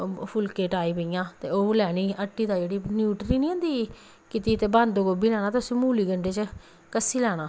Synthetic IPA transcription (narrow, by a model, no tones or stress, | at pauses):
pʰʊlkeːʈaːiːpəɪjãːt̪eːoːlɛːɽiːəʈːiːd̪aːd͡ʒeːɽiːnjuːʈɾiːnĩːə̃ːnd̪iː | kɪt̪iːt̪eːbãnd̪oːɡobiːlɛːnaːt̪ʊsĩːmuːliːɡəɳɖeːt͡ʃ | kəsiːlɛːɽ̃aː